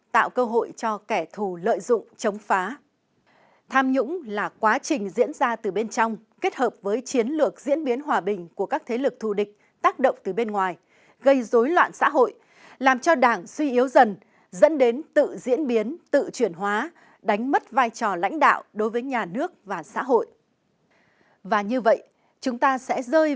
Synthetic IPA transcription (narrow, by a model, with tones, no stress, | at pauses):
t̪a̰ː˧˨wkəː˧ɦo̰˧˨jt͡ɕɔ˧kɛ˧˩t̪ʰu˨˩lə̰ː˧˨jzʊ̰˧˨ŋ͡mt͡ɕə˨˦wŋ͡mfaː˨˦ | t̪ʰaː˧mɲʊ̰˧˥ŋ͡mlaː˨˩kwaː˨˦t͡ɕï˨˩ŋ̟zḭ˧˥ənzaː˧t̪ɨ˨˩ɓe˧nt͡ɕɔ˧wŋ͡m | ke˦˥t̚həː˨˩p̚vəː˨˦jt͡ɕi˨˦ənlɨ˨˩ək̚zḭ˧˥ənɓi˨˦ənɦwaː˨˩ɓï˨˩ŋ̟ku˧˩əkaː˦˥k̚t̪ʰe˨˦lɨ˨˩k̚t̪ʰu˧˩ɗï˨˩k̟̚ | t̪aː˦˥k̚ɗə̰˧˨wŋ͡mt̪ɨ˨˩ɓe˧nŋwaː˨˩j | ɣə˧jzo˨˦jlwa̰ː˧˨nsa̰ː˧˥ɦo̰˧˨j | laː˨˩mt͡ɕɔ˧ɗaː˧˩ŋswi˧ʔi˨˦əwzə˨˩n | zə̰˧˥nɗe˨˦nt̪ɨ̰˧˨zḭ˧˥ənɓi˨˦ənt̪ɨ̰˧˨t͡ɕwi˧˩ənɦwaː˨˦ | ɗa˨˦ŋ̟mə˦˥t̚vaː˧jt͡ɕɔ˨˩la̰˧˥jŋ̟ɗa̰ː˧˨wɗo˨˦jvəː˨˦jɲaː˨˩nɨ˦˥ək̚vaː˨˩sa̰ː˧˥ɦo̰˧˨jʔ | vaː˨˩ɲɨ˧və̰˧˨j | t͡ɕʊ˨˦ŋ͡mt̪aː˧sɛ̰˧˥zəː˧j